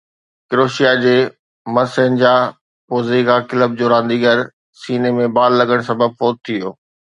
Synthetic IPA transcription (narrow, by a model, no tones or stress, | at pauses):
kɪɾoːʃijad͡ʑeː | mɐsənɪd͡ʑaː | poːziːɡakɪləb̚d͡ʑoːɾãːnd̪iɡəɾ | siːnemẽbaːlːɐɠəɽ̃sɐbəb̚foːt̪̚t̪ʰijoː